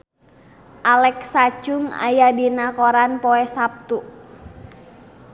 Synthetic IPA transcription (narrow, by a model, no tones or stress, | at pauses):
ʔalɛksat͡ʃʊŋa̰jadinakɔɾanpɔɛsap̚t̪u